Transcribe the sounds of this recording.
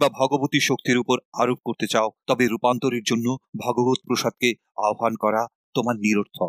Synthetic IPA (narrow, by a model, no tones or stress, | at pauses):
babʱɔɡobot̪iʃokt̪iɾupoɾaɾop̚koɾt̪et͡ɕaot̪ɔbeɾupant̪oɾeɾd͡ʑonːobʱɔɡobot̪̚pɾoʃad̪̚ke | aoɦankɔɾa | t̪omaɾniɾoɾt̪ʰɔ